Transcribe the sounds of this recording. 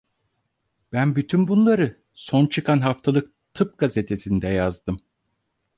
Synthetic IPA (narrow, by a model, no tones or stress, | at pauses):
b̥ænbyt̪ʰynbunlˠaɾɯ | so̞nt͡ʃʰɯkʰanɦaft̪ʰalˠɯk̚t̪ʰɯp̚ɡazet̪ʰe̞sind̪ɛjazd̪ɯm